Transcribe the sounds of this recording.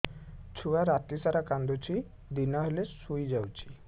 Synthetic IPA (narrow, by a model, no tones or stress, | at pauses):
t͡ɕʰuaɾat̪isaɾakand̪ot͡ɕi | d̪inaɦelesujd͡ʑawt͡ɕi̥